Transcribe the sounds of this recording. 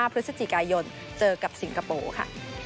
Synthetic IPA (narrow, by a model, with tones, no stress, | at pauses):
aː˥˩pʰɾɯ˦˥t̪̚sa˧t͡ɕi˨˩kaː˧jo˧n | t͡ɕɤː˧ka˨˩p̚si˩˦ŋka˧po̰ː˧˩kʰa̰˥˩